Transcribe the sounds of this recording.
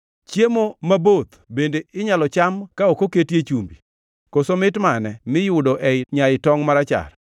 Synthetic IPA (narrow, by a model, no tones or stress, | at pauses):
t͡ʃjemomabot̪ | bendeɪɲalɔt͡ʃamkaokoketjet͡ʃumbi | kosomɪtmanɛmɪjʊdɔʔɛɲaɪtɔŋmaɾat͡ʃa̰r